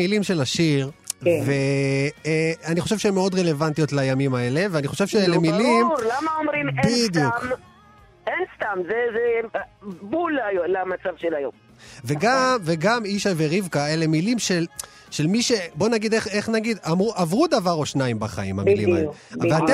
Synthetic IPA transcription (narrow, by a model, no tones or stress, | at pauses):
ilimʃe̞laʃiʁve | aniχo̞ʃevʃeemeo̞d̪ʁe̞le̞vant̪ijo̞t̪lajamimae̞le̞veaniχo̞ʃe̞vʃeelemilimɾlamaomɾimebnid̪jukm | enst̪amzeze | bulajlamat͡savʃelajom | veɡamveɡamiʃajveʁivkaele̞milimʃel | ʃe̞lmiʃe̞bo̞naɡid̪eχeχnaɡid̪amʁuʔavʁud̪avaʁo̞ʃnaimbaχaḭma̰milḭma̰ḛeat̪e